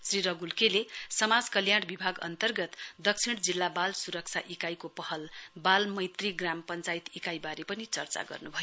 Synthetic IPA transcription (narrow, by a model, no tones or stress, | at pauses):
sriɾʌɡulkelesʌmad͡zkʌljaɽ̃bibʱaɡʌ̰nt̪ʌrɡʌt̪d̪ʌkt͡sʰiɽ̃d͡zilːabalsuɾʌk̚t͡sʰaʔikajkopʌhʌlbalmʌjt̪riɡrampʌnt͡sajt̪ikajbaɾepʌnit͡sʌrt͡sa̰ɡʌ̰rnubʱʌjo